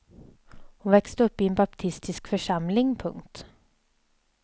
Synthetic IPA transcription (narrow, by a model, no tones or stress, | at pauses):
hʊnʋɛkst̪əɵpːiːeːnbɑpt̪ʰɪst̪ɪskfɔʂɑmlɪŋpʰɵ̰ŋt̪